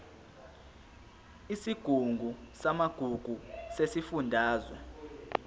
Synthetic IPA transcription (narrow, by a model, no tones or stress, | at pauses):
isiɡ̥ʱuŋɡʱusamaɡ̥ʱuɡ̥ʱusesifundʱaːzwɛ